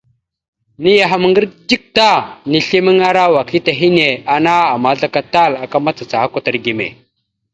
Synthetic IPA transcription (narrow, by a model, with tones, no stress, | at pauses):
ni˦ja˨ɦa˦m˨˦ŋɡə˦ɾd͡ʒi˦k̚ta˦ni˨ɬi˦mi˦ŋa˦ɾa˦wa˨ki˦ta˨ɦi˦ne˨a˨na˦a˨ma˨˦ɮa˦ka˦ta˦˨la˨ka˦ma˦t͡sa˨t͡sa˨ha˦kʷa˦ta˨ɾɡi˨mḛ˨